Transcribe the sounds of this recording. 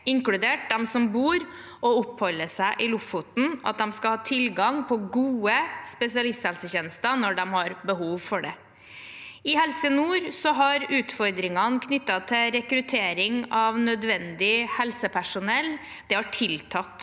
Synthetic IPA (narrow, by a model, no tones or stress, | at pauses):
ɪŋkɽʉd̪eːʈ̚d̪ɛmsɔmbuːɾ | ɔɔphɔlːəʂæɪʔɪlʊfʊt̪n̩ʔɑ̰t̪̚d̪ɛmskɑlhɑːt̪ʰɪlɡɑŋpʰɔɡuːəspɛsɪɑlɪst̪hɛlsəçeːnəst̪ɑnɔɖɛmhɑɾbəhuːʋfɔɖɛ | ɪhɛlsənuːɾsɔɦɑɾʉːt̪fɔɾd̪ɾɪŋɑnkʰnʏt̪ːɑt̪ʰɪɾɛkɾʉt̪ʰeːɾɪŋɑʋnœd̪ʋɛnd̪ɪhɛlsəpʰæʂʊnɛlː | d̪̥ɛhɑʈʰɪlt̪ʰɑt̪ː